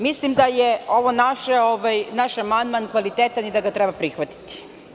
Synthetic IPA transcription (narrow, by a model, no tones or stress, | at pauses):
mislimd̪ajeo̞ʋonaʃeoʋajnaʃamand̪mankʋalit̪eːt̪anid̪aɡat̪ɾebapɾixʋat̪i̥t̪i̥